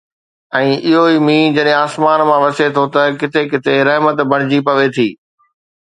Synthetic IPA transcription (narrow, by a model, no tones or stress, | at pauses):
ɛ̃ːʔɪɦoiːmĩːd͡ʑɐɗɦẽaːsmaːnmãʋɐset̪ʰot̪ɐkɪt̪ʰekɪt̪ʰeɾɐɦmət̪bʱɐɽ̃ɪd͡ʑipɐʋet̪ʰiː